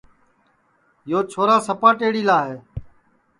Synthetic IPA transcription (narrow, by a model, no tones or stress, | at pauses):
joːt͡ʃʰoːɾaːsəpaːʈeːɽiːlaːɦeː